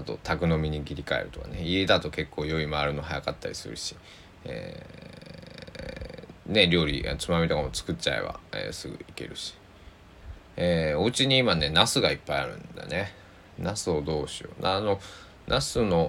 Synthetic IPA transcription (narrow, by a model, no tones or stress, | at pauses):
at̪o̞̰t̪ʰakɯ̟no̞mʲiɲ̟iɡʲiɾʲikae̞̰ɾɯ̟t̪o̞kane̞ie̞d̪at̪o̞ke̞kʰːo̞ːjo̞imaːɾɯ̟no̞ɦajakat̪ːaɾʲisɨ̰ɾɯ̟̰ɕi̥ | ḛ | ne̞ɾʲo̞ːɾʲḭʔa̰t͡sɨmamʲit̪okamo̞t͡sɨ̥kɯ̟tt͡ɕaḛβa̰ḛːsɨɡɯ̟̰ike̞̰ɾɯ̟ɕi̥ | eːo̞ɯ̟t͡ɕiɲ̟iːmane̞nasɨɡaipːaiaɾɯ̟̃nd̪a̰ne̞ | nasɨo̞d̪o̞ːɕio̞̰nano̞ | nʔasɨno̞